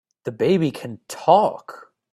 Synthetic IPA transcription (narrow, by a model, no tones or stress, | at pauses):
ðɨbeɪbikʰɨ̃ntʰɔk